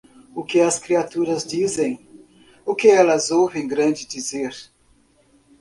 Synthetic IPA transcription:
ʊkɪɐskɾiat̪uɾɐzdizẽj̃ | ʊkɪɛlɐzowvẽj̃ɡɾɐ̃nd͡ʒɪdizeɾ

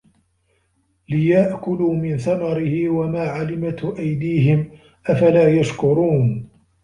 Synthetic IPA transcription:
lɪjaʔkʊluːmɪnθamɑɾɪhɪwamaːʕalɪmat̪ʔajd̪iːɦɪm | ʔafalaːjaʃkʊɾuːn

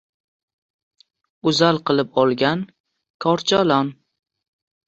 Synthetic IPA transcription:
ʊzalˠqɨlˠɪpɒlˠɡʲan | kʰɒɾt͡ʃʰalɒn

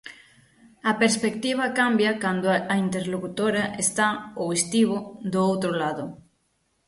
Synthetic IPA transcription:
ɐpeɾspekt̪iβ̞ɐkambjakand̪oaint̪eɾlokut̪oɾaʔest̪aowest̪iβod̪oowt̪ɾolaðʊ

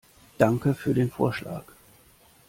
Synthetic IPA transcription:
d̥aŋkəfyːɐdeːnfo̰ːɐʃla̰ːk

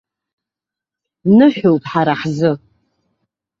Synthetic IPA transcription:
nɨħowpʼħaɾaħzɨ

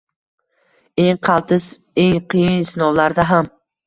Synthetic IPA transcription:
eŋqʰɑlˠt̪ʰɪs | eŋqʰijɪnsɪnɒwlaɾd̪aɦam

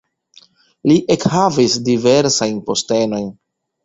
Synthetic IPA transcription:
liʔe̞khavisdive̞ɾsajnpo̞ste̞no̞jn

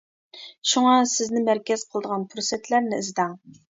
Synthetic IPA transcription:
ʃuŋɑsɪznɪmæɾkʲɛz̥qʰəlˠd̪əʁɑnpʰuɾsɛt̪ʰlæɾnɪːzd̪ɑŋ

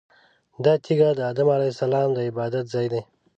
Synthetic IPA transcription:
d̪ɑːt̪ʰiɡad̪əːd̪əmalesalɑːmd̪əɪbɑːd̪at̪zɑːjd̪e

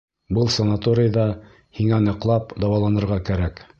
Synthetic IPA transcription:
bɤlˠsɐnat̪oɾʲɪjðɑ | hiŋænɤ̆qlˠɑpd̪ɑwɑlˠɑnɤ̆ɾʁɑkæɾæk

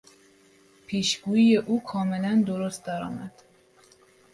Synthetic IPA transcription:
pʰiːʃɡ̥uːiːje̞ʔuːkʰɒːme̞lænd̪oɾost̪̚d̪æɾɒ̰ːmæ̰d̪̥

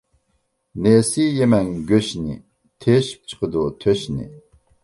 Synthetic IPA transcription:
nesijemɛŋɡʲøʃnɪ̰ | t̪ʰeʃp̚ʰt͡ʃʰə̥qəd̪ut̪ʰøʃnḭ

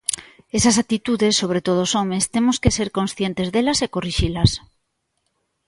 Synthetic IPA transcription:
esasak̚t̪it̪uðesːoβ̞ɾet̪oð̞osomest̪emoskeseɾkõnsθjent̪ezðelɐsekoriʃilas

